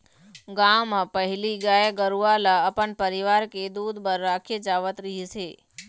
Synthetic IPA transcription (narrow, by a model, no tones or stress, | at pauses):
ɡaʋmãpəɦiliɡajeɡəɾualaəpəɳpəɾiʋaɾked̪ud̪bəɾːakʰed͡ʒaʋət̪ɾəɦisʰe